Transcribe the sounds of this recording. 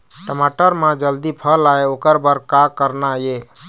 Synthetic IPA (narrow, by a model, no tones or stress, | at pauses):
ʈəmaʈəɾmãd͡ʒəld̪ipʰəlaeokəɾbəɾkakəɾnaje